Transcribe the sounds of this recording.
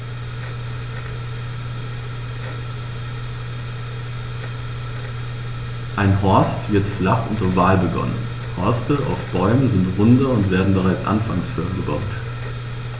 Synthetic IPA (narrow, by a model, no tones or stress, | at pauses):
ʔaɪnɦɔɐstv̥ɪɐtflaχʔʊntovaːlbəɡɔ̰nə̰n | hɔɐstəʔa̰ʊfb̥ɔʏmənzɪntʁʊndɐʊntv̥eːɐdn̩bəʁaɪt͡sʔa̰nfa̰ŋshøːɐnɡəba̰ʊt